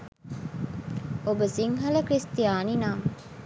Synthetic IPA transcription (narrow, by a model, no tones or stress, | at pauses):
obəsiŋɦɐləkɾist̪ijaːninaːm